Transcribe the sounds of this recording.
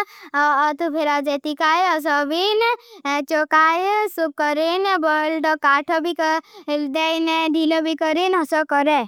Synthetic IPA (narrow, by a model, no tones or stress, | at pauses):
t̪upʰeɾad͡ʒet̪ikajɔs̬ɔbint͡ʃɔkajsukːɔɾinbɔlɖɔkaʈʰɔbikd̪ejnɖilɔbʱikɔɾinɔsɔkɔɾe